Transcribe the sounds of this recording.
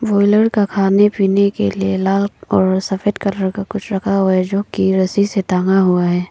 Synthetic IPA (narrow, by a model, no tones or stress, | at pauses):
boːɪləɾkakʰaːnepiːnekḛlielaːlɔːɾsɐfed̪kɐləɾkakʊt͡ʃʰɾɐkʰaɦoɛd͡ʒoːkiɾɐsiset̪ãːŋɡaɦuaɦɛː